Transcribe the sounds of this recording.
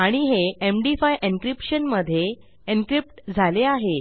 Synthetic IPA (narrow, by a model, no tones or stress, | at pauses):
aɽ̃iɦeemɖifajʔinkɾipɕənməd̪ʱːje | inkɾip̚ʈd͡zʱaleaɦe